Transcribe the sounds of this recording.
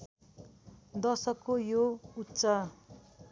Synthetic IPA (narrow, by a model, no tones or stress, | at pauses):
d̪ʌsʌkːojoutːsʌ